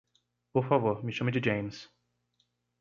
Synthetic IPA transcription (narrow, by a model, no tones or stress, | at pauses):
poɾfavoɾmɪʃɐ̃mɐd͡ʒɪd͡ʒẽj̃ms